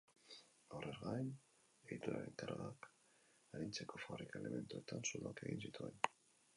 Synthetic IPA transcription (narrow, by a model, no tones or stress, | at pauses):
awreɾɣaen | e̞ɣit̪uɾa̰ɾent̪ara̰ak | aɾint͡se̞ko̞faβrikaele̞me̞nt̪ue̞t̪ansuðoake̞ɣinsit̪uen